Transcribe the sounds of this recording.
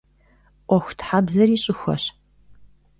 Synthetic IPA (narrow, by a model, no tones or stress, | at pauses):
ʔʷɔxʷtʰħabzɐriːɕʼɪxʷɐ̰ɕ